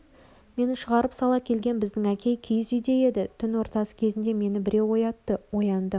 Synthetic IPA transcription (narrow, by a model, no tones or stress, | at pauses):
me̞nɪʃəʁɑɾəpsɑlˠɑkʲʰe̞lɡʲe̞nbɪzd̪ɪŋækʲe̞jkʲʰijɪzʏjd̪e̞je̞d̪ɪt̪ʰʏnwo̞ɾt̪ɑsə̥kʲʰe̞zɪnd̪e̞me̞nɪbɪɾewo̞jɑt̪ːəwo̞jɑnd̪ə